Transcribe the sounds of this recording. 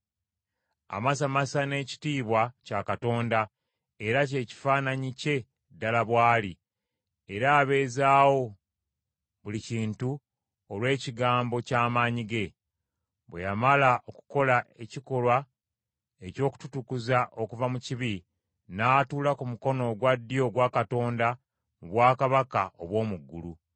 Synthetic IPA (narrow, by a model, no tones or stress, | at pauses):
a̰mas̬amasane̞ːci̥tiːβwacakato̞ːnda | e̞ɾac̬e̞ːci̥faːnaɲice̞ | dalaβwaːli | e̞ɾaːβe̞ːzaːwo̞ | βuliciːntu | olwe̞ːciɡaːmbo̞caːmaːɲiɡe̞ | βwḛjamalaʔo̞ku̥ko̞laʔe̞ciko̞lwa | e̞co̞ːku̥tu̥tukuzaʔo̞kuvamuciβi | naːtuːlakumuko̞no̞ɡwadːijo̞ɡwaːkato̞ːnda | muβwaːkaβakaoβwo̞ːmuɡːulu